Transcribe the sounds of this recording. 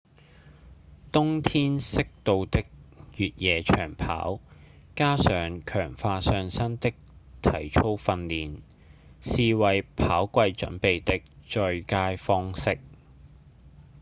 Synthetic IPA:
t̪ʊ˥ŋt̪ʰiː˥nsɪ˥k̚t̪o˧wt̪ɪ˥k̚jyː˨t̚jɛː˨˧t͡ʃʰœ̰ː˨˩ŋpʰa̰ː˨˥w | kaː˥sœː˨ŋkʰœː˨˩ŋfaː˧sœː˧ŋsɐ˥nt̪ɪ˥k̚t̪ʰɐ˨˩jt͡ʃʰo˥wfɐ˧nliː˨n | siː˨wɐ˨jpʰaː˨˥wkʷɐ˧jt͡ʃɵ̰˨˥npe˨jt̪ɪ˥k̚t͡ʃœ˧ɥkaː˥jfɔː˥ŋsɪ˥k̚

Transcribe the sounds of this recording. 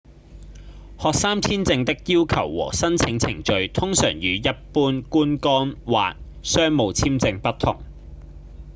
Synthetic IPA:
hɔː˨k̚saː˥mt̪ʰiː˥nt͡sɪ˧ŋt̪ɪ˥k̚jiː˥wkʰɐ˨˩wːɔ̰ː˨˩sɐ˥nt͡sʰɪ˨˥ŋt͡sʰɪ̰˨˩ŋt͡ʃɵ˨˧ɥt̪ʰʊ˥ŋsœ̰ː˨˩ŋjyː˨˧jɐ˥t̚puː˥nkuː˥nkɔː˥nwa̰ː˨t̚ | sœː˥ŋmo˨˧wt͡sʰiː˥mt͡sɪ˧ŋpɐ˥t̪ʰːʊ̰˨˩ŋ

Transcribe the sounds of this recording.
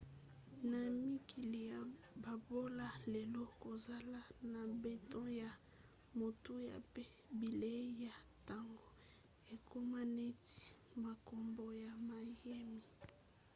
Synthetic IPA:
na˨mi˦ki˨li˨ja˨ | ba˨bo˦la˦le˨lo˦ko˨za˦la˦na˨be˦tɔ̃˦ja˨ | mo˨tu˦ja̰˨pe˦ | bi˨le˦ja˨ta˨ŋɡo˨ | e˨kʰo˦ma˦ne˦ti̥˦ | ma˨ko˨mbo˨ja˨ma˨je˦mi˨

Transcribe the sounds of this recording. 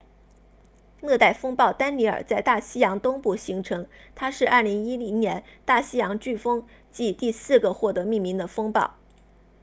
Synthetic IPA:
nɤ˥˧t̪a˥˩ɪfɤ˥ŋpɑ˥˩ʊt̪a˥nli˧˥ə̰˞˨˩t͡sa˥˧ɪt̪a˥˩ɕi˥jɑ˧˥ŋt̪ʊ˥ŋpu˥˩ɕi˧˥ŋʈ͡ʂʰɤ˧˥ŋt̪ʰa˥ʂɻ̩˥˧ɐ˞˥˩li˧˥ŋi˥li˧˥ŋnjɛ˧˥nt̪a˥˩ɕi˥jɑ˧˥ŋt͡ɕy˥˩fɤ˥ŋ | t͡ɕi˥˧t̪i˥˧sɹ̩˥˧ɡə˩xwɔ˥˩t̪ɤ˧˥mi˥˩ŋmi˧˥ŋd̪ə˧fɤ˥ŋpɑ̰˥˩ʊ

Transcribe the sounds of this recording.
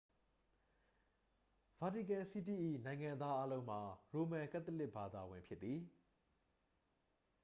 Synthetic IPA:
v̥a˨ti˨kã˨si˦ti˦˨ʔḭ˦˨nã˨ɪ̃ŋã˨nd̪ða˦ʔa˦lõ˦ʊ̃m̥a˨ɹo˨mã˨ka˦t̪ə˦lɪ˦ʔb̥a˨d̪a˨wɪ̃˨mpʰjɪ˦t̪ːi˨

